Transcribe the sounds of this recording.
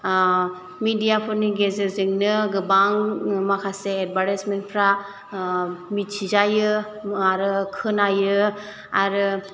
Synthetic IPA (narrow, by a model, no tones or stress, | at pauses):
midijapʰɯɾniɡezɯzɯŋnɯɡɯbaŋmakʰaseːd̚baɾesmenpʰɾa | mitt͡ʃʰizajɯ | aɾɯkʰɯnajɯ | aɾɯ